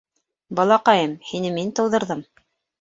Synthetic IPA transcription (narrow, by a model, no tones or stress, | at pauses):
bɑlˠɑqɑjɤmhinɘmint̪ɤ̆wðɤ̆ɾðɤm